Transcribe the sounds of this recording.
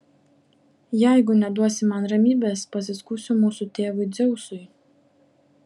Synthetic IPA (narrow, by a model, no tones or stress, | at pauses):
jæˑɪɡʊnʲɛd̪uɔsʲɪmɐnɾɐmʲiːbʲeːspɐs̬ʲɪskuːsʲʊmuːsʊt̪ʲeːʋʊɪd̪zʲɛʊsʊj